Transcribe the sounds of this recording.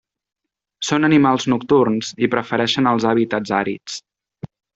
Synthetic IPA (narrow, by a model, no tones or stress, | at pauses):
sonənimalˠznuk̚t̪urnzipɾəfəɾɛʃənəlˠzaβit̪ad͡zaɾḭt͡s